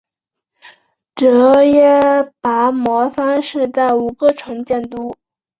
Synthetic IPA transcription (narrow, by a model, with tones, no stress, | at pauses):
ʈ͡ʂɤ˧˥jɛ˥pa˧˥mɔ˧˥fa˥nʂɻ̩˥˧t̪a˥˩u˨˩kə˥˧ʈ͡ʂʰʊ˧˥ŋt͡ɕjɛ˥˩nt̪u˥